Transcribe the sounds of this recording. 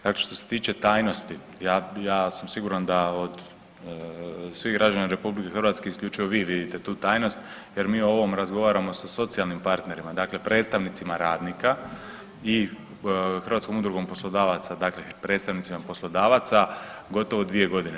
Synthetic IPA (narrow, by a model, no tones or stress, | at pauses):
d̪akle̞ʃt̪o̞set̪iːt͡ʃe̞t̪aːjno̞st̪i | jaːjaːsamsiɡuɾand̪aod̪ | sʋiɣɡɾad͡ʒanaɾe̞publike̞xrɾʋat̪ske̞iskʎʲuːt͡ʃujoʋiʋid̪it̪e̞t̪uːt̪aːjno̞st̪je̞ɾmiːoo̞ʋo̞mɾazɡo̞ʋaːɾamo̞saso̞t̪sialˠnimpaɾt̪ne̞ɾimad̪aːkle̞pɾe̞ːt̪st̪aʋnit̪simaɾaːd̪nika | i | xər̩ʋat̪sko̞mud̪ɾuɡo̞mpo̞slˠo̞d̪aːʋat̪sad̪aːklepɾe̞ːt̪st̪aʋnit̪imapo̞slˠo̞d̪aːʋat̪saɡo̞t̪o̞ʋod̪ʋie̞ɡo̞d̪ine